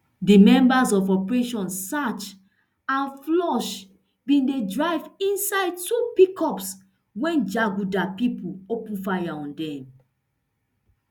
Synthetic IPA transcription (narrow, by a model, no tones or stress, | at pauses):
dimɛ̃mbazɔvɔpɹeʃɔ̃nsat͡ʃ | ãnflɔʃ | bĩndedɹaɪvĩnsaɪd̚tupikʰɔps | wɛ̃nd͡ʒaɡudapipuopũfajaɔ̃ndɛ̃m